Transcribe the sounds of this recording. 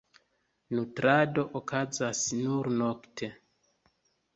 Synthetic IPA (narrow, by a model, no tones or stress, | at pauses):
nutɾado̞ʔokazasnuɾno̞ktʰe̞